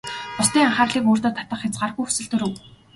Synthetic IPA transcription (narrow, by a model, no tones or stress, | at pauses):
pʊsniːŋaχaːrɮiːkoːr̥t̪oːt̪ʰat̪ə̆χxʲat͡sɢarxujxu̥sɘ̆ɮt̪ɵɾɵ̆w